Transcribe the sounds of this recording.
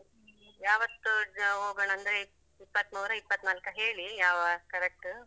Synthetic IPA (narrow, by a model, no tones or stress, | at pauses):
i | jaːʋɐt̪ːuɦoːɡɐɳɐnd̪ɐɾe | ipːɐt̪nuːɾɐipːɐt̪ːnaːlkɐɦe̞ːɭijaːʋɐkɐɾek̚ʈu